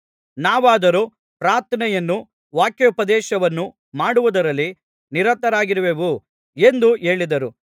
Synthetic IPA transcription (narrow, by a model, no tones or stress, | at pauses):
naːʋaːd̪ɐɾu | pɾaːɾt̪ʰɐnɛjɐnːu | ʋaːkjɐupɐd̪ɛːʃɐʋɐnːu | maːɽuʋud̪ɐɾɐlːi | niɾɐt̪ɐɾaːɡiɾɐʋeʋu | e̞nd̪uʔe̞ːɭid̪ɐɾu